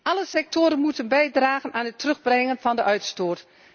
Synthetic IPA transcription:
ʔɑləsɛk̚toːɾənmutənbɛjdraːɣənʔaːnɦətrɵɣbrɛŋənvɑndəʔœɥtstoːt

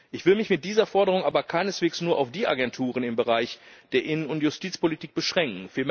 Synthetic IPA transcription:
ʔɪçv̥ɪlmɪçmɪt̚d̥iːzɐfɔɐdəʁʊŋʔaːbɐkʰaɪnəsv̥eːksnuːɐʔa̰ʊfd̥iːʔa̰ɡɛntʰuːʁ̞ənɪmbəʁaɪçd̥eːɐʔɪnənʊntjʊstʰiːt͡spolitʰiːk̚b̥əʃʁ̥ɛŋk̚ŋ̩fiːɐ

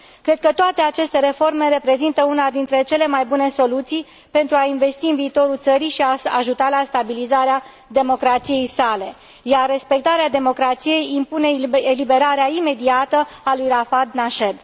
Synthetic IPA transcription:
kɾe̞d̪̚kət̪oat̪e̞at͡ʃe̞st̪e̞ɾe̞fo̞rme̞ɾe̞pɾe̞zint̪əunad̪int̪ɾe̞t͡ʃe̞le̞majbune̞so̞lut̪sij | pe̞nt̪ɾuainve̞st̪iɨnviːt̪o̞ɾult̪səɾijʃiaaʒut̪alast̪abilizaɾea | d̪e̞mo̞kɾat̪sije̞jsale̞ | jarːe̞spe̞k̚t̪aɾead̪e̞mo̞kɾat̪sije̞jimpune̞elibe̞ɾaɾeaime̞d̪iat̪əalujrafad̪naʃed̪

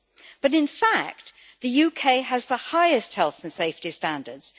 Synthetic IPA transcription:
b̥ʌɾɪ̃nfak̚t̪ | ðɨjʉkʰeɪəzðəhaɪɪst̚hɛlˠθə̃n̩seɪftistæ̃ndədz̥

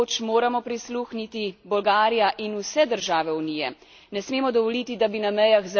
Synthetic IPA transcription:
t͡ʃmoːɾamɔpɾisluːxnit̪ibɔlɡaːɾijaʔinusɛd̪əɾʒaːʋɛunijɛ̰ | nɛsmeːmɔd̪ɔʋɔlit̪id̪abinamɛjaxz

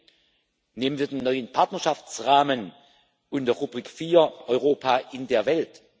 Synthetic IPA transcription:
neːmənviːɐdeːnːɔʏənpʰaɐtnɐʃaft͡sʁaːmən | ʊndeʁubʁiːkfiːɐʔɔʏʁoːpʰaːʔɪndeːɐvɛlt

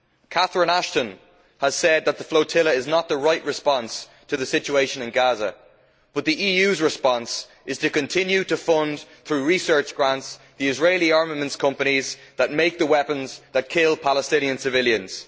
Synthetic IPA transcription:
kʰaθɹɪ̃naʃtə̃n | əz̥sɛd̪̚ðət̪̚ðəfloʊtʰɪləɪznət̪̚ðəɹaɪʔɹɨspɑ̃ns | tʰəðəsɪt͡ʃueɪʃə̃nɪ̃nɡazə̰ | b̥ʌt̪̚ðiʔiːjʉzɹɪspɑ̃ns | ɪz̥tʰɨkɨ̃ntʰɪ̃njʉɾəfʌ̃nd̪θɹʉɹisɜ˞t͡ʃɡ̥ɹãnts | ðiɪzɹeɪliɑɹməmə̃ntskʰʌ̃mpənizðət̚meɪk̚ðəwɛpə̃nzðət̚kʰɪlˠpʰaləstɪ̃niə̃nsɨvɪljə̃nz̥

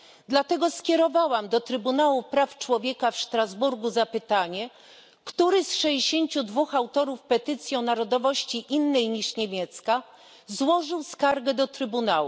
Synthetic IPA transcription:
d̪lat̪ɛɡɔskʲjɛɾɔvawamd̪ɔt̪ɾɘbunawupɾaft͡ʂwɔvʲjɛkafʂt̪ɾazbuɾɡuzapɘt̪aɲɛ | kt̪uɾɘsʂɛd͡ʑeɕeɲt͡ɕud̪vuxawt̪ɔɾufpɛt̪ɘt̪sʲjɔ̃w̃naɾɔd̪ɔvɔɕt͡ɕiʔinːɛjɲiʂɲemʲjɛt̪ska | zwɔʐɘwskaɾɡɛd̪ɔt̪ɾɘbunawṵ

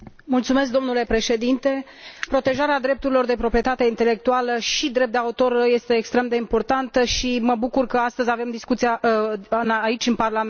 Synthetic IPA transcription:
mult̪sume̞s̬k̚d̪o̞mnule̞pɾe̞ʃe̞d̪int̪e̞ | pɾo̞t̪e̞ʒaɾead̪ɾe̞p̚t̪uɾilo̞rd̪e̞pɾo̞pɾije̞t̪at̪eint̪e̞le̞k̚t̪ualəʃid̪ɾe̞p̚d̪eaut̪o̞rje̞st̪e̞ːkst̪ɾe̞md̪e̞impo̞rt̪ant̪əʃiməbukurkəast̪əzʲave̞md̪iskut̪sia | naːit͡ʃʲɨnparlam

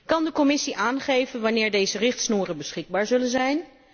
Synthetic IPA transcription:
kɑndəkɔmɪsiʔaːnχejvənʋɑnɪːɹdejzərɪχtsnuːrənbəsχɪɡ̚baːɹzɵlənzɛjn

